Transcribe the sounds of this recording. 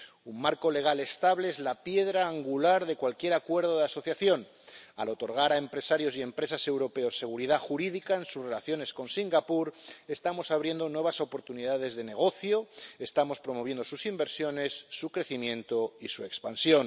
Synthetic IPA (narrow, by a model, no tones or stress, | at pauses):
umːaɾko̞le̞ɣ̞ale̞st̪aβleezlapje̞ðɾaːŋɡulaɾðe̞kwalkje̞ɾakwe̞ɾð̞o̞ðaso̞θjaθjo̞n | a̰lo̞t̪o̞ɾɣ̞aɾaempɾe̞saɾjo̞sie̞mpɾe̞sase̞wɾo̞pe̞o̞sːe̞ɣ̞uɾiðaxuɾiðikae̞nsuzre̞laθjo̞ne̞sko̞nsiŋɡapuɾe̞st̪amo̞saβɾje̞nd̪o̞nwe̞β̞aso̞po̞ɾt̪uniðað̞e̞zðe̞ne̞ɣ̞o̞θjo̞est̪amo̞spɾo̞moβje̞nd̪o̞susimbe̞ɾsjo̞ne̞sːukɾe̞θimjẽ̞nt̪o̞isue̞kspansjo̞n